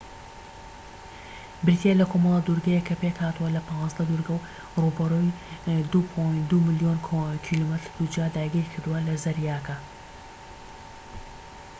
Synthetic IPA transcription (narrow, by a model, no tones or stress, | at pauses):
bɪɾit̪ielɐkʰomɐlˠɐd̪uɾɡɐjɛkʰːɐpekhaːt̪uwɐlɐpʰɑ̃zd̪ɐd̪uɾɡɐw | rubɐrojd̪upʰojnd̪umɨlijonʰkʰilomɨt̪ɾd̪̥ud͡ʒad̪aːjɡiːɾkʰɨɾd̪uwɐlɐzɐɾjaːkɐ